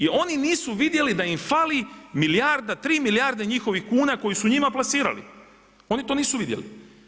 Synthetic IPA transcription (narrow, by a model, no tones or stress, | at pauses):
io̞niniːsuʋid̪je̞lid̪aimfalimilijaɾd̪at̪ɾiːmiljaɾd̪eɲixo̞ʋixkuːnako̞jisuɲimaplasiːɾa̰lḭ | o̞nit̪o̞ːniːsuʋid̪jḛlḭ